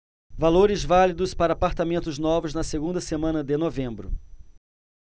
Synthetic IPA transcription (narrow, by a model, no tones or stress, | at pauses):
valoɾɪzvalid̪ʊspaɾɐːpaɾt̪amẽnt̪ʊznɔvʊznɐseɡũnd̪ɐsemɐ̃nɐd̪ɪnovẽmbɾʊ̰